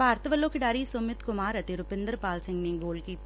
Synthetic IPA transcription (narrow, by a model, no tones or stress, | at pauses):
aːɾt̪ɐʋɐlːoːkɪɖaːɾisʊmɪt̪kʊmaːɾɐt̪ːiɾʊpɪnd̪ɐɾpaːlsɐŋɡniŋʋoːlki